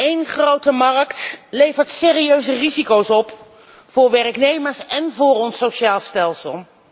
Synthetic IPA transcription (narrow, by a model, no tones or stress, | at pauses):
ejnχrowtəmɑrktlejvəɹtsɪːriøɥzərizikowsɔp | fʊːɹʋɛrknejməɹsɛnvʊːrɔnsowʃaːlˠstɛlˠsəlˠ